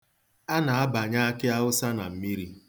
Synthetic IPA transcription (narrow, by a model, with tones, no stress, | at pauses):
a˦na˨a˦ba˨ɲa˦a˦kɪ˦a˦ʊ˦sa˦na˨m̩˨mi˦ɾi˦